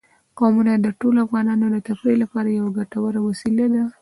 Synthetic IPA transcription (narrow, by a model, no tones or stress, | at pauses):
ɡɑmunad̪əʈoloafɣɑnɑnod̪ət̪afɾelapɑɾajawaɡaʈawaɾawasilad̪a